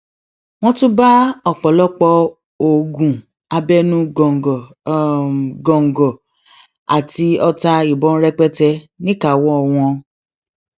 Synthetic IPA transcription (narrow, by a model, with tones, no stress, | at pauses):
w̃ɔ̃˦tũ˦ba˦ɔ˨k͡pɔ˨lɔ˦k͡pɔ˧ | o˨ɡũ˨ | a˧bɛ˦nũ˦˨ | ɡɔ̃˨ŋ̩˨ɡɔ˨ | a̰˨ti˧ɔ˧ta˧i˨bɔ̃˨˦n̩˦ɾɛ˦k͡pɛ˦tɛ˧nĩ˦ka˨wɔ̃˦ɔ˨w̃ɔ̃˧